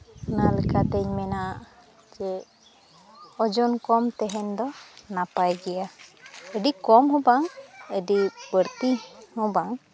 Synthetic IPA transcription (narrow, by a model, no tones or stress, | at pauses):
nalɛkat̪ɛɲmɛnaʔ | d͡ʒɛ | ɔd͡ʒɔnkɔmt̪ɛɦɛnd̪ɔnapajɡɛjaəɖikɔmɦɔbaŋəɖibəɾt̪ihɔ̃baŋ